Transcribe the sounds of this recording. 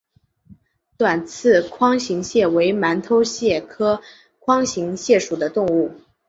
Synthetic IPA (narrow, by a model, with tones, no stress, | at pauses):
t̪wa˨˩nt͡sʰɹ̩˥˩kʰwɑ˥ŋɕi˧˥ŋɕjɛ˥˩we˧˥ɪma˧˥nt̪ʰo˥ʊɕjɛ˥˩kʰɤ˥ | kʰwɑ˥ŋɕi˧˥ŋɕjɛ˥˩ʂu˨˩d̪ə˦t̪ʊ˥˧ŋu˥˩